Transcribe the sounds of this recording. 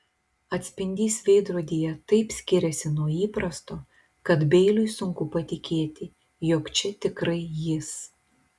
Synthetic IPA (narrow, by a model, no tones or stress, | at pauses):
ɐt̪ʲsʲpʲɪnʲd̪ʲiːsʲʋʲɛɪd̪ɾoːd̪ʲijɛt̪ɐɪpsʲkʲɪɾʲɛsʲɪnuɔiːpɾɐst̪oː | kɐt̪bʲɛɪlʲʊɪsʊŋkʊpɐt̪ʲɪkʲeːt̪ʲɪ | joːkt͡ʃʲɛt̪ʲɪkɾɐɪjɪs